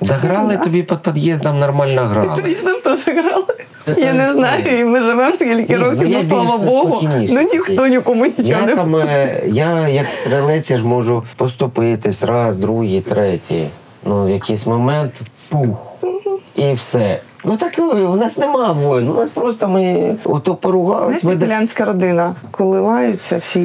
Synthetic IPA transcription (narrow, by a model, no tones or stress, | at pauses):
d̪ɐɦɾɑlˠɪt̪ɔbʲipɔd̪̚pɔd̪jɛzd̪ɐmnɐrmɑlʲnɐɦɾɑ̰lˠʲisd̪ɐmt̪ɔʒɪɦɾɑlˠɪ | janɪznɑjʊimɪʒɪʋɛmskʲilʲkʲɪɾɔkʲɪjsʲlˠaʋɐbbɔɦʊinʲiʃnʊnʲik̪ɔnʲɪkɔmʊnʲit͡ʃjɔnt̪amjajɐkst̪ɾɪlˠɪt͡sʲɐʒmɔʒʊpɔst̪ʊpɪt̪ɪsʲɾɑsd̪ɾuɦit̪ɾɛtʲḭ | nujɐkisʲmɔmɛnt̪ | pux | iwsɛnut̪ɑkʋnɑsnɪmɑʋɔjʲnnɑspɾɔs̬t̪ɐmɪɔ̰t̪ɔpɔɾʊɦɑlˠɐsʲmɪlʲanʲsʲkɐɾɔd̪ɪnɐkɔlˠɪʋɑjʊt͡sʲːɐwsʲi